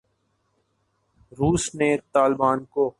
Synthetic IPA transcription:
ɾuːsneːt̪aːlbaːnkoː

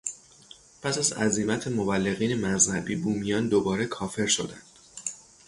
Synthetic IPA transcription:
pʰæsæzæ̰zimæt̪ʰe̞mo̞bælːe̞ɣiːne̞mæzhæbiːbuːmijɒːnd̪obɒːɾe̞kʰɒːfe̞ɾʃo̞d̪ænd̪̥

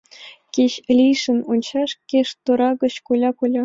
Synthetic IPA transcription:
kʲeɕlʲijʂɘ̆nunt͡ɕɑʂkʲeʂt̪uɾɑɡɤ̆ɕkulʲɑkulʲɑ

